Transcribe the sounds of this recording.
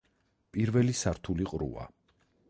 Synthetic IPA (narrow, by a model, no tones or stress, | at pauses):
pʼiɾvɛlisaɾt̪ʰuliqʼɾṵa̰